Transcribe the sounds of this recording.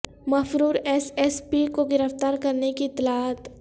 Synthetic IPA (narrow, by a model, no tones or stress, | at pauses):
mɐfɾuːɾɛsɛspikoɡɪɾəft̪aːɾkɐɾnekiɪt̪ːɪlaːət̪